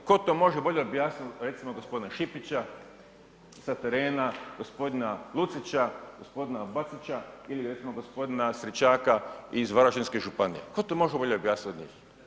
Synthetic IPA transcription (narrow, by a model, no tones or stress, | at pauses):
ko̞t̪omo̞ʒebo̞ʎeobjaːsnit̪ɾe̞t̪simoɡospo̞d̪inaʃipit͡ʃa | sat̪eɾeːnaɡ̥ospo̞d̪inalˠut̪sit͡ʃaɡ̥ospod̪inabat̪sit͡ʃailiɾet̪simoɡo̞spo̞d̪inasɾit͡ʃaːkaizʋaɾaʃinskeʒupanḭḛkot̪omo̞ʒebo̞ʎeobjaːsnit̪od̪ɲḭːx